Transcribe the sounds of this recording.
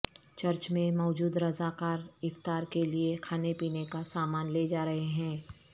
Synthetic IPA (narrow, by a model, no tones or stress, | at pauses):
t͡ʃɐɾt͡ʃmẽmɔːd͡ʒuːd̪ɾɐzakaːɾɪft̪aːɾkeliekʰaːnepiːnekasaːmaːnleːd͡ʒaːɾɐɦeɦɛ̃ː